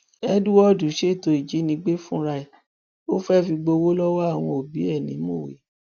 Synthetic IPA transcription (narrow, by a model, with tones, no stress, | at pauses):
ɛ˦du˦wɔ˦˨du˨˦ʃe˦˨to˧i˨d͡ʒi˨˦nĩ˧˦ɡ͡be˦fũ˦ɾa˧i˦˨ | o˦fɛ˦fi˧ɡ͡bo˧wo˦lɔ˦wɔ˦a˦˨w̃ɔ̃˧o˨bi˨˦ɛ˦˨nĩ˨˦mo˦˨wḛ˨˦